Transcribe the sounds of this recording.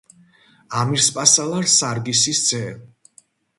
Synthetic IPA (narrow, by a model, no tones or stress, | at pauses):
amiɾspʼasalˠaɾsaɾɡisisd̪sʼɛː